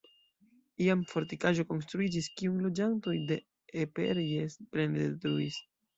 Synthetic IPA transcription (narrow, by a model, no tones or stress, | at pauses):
iamfo̞ɾtikaʒo̞ko̞ns̬tɾuid͡ʒiskiujlo̞d͡ʒanto̞jde̞ | epe̞ɾjesplendetɾuis